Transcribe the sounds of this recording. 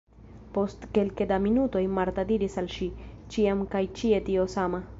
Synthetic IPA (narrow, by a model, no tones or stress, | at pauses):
po̞st̪ke̞lked̪aminut̪o̞jmaɾt̪ad̪iɾisalʃit͡ʃiamkajt͡ʃie̞t̪io̞sama